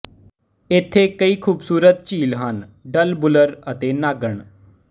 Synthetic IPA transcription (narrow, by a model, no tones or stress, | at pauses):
ɪt̪ʰːeːkəiːkʰuːbsuːɾət̪̚t͡ʃiːlɦənɖəlbʊləɾət̪eːnaːɡəɳ